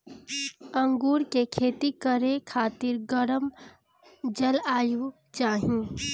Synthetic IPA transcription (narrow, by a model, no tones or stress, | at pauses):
ə̃ŋɡuːɾkekʰeːt̪ikəɾekʰaːt̪ɪɾɡəɽəm | d͡ʒəlaːju | t͡ʃaːɦĩ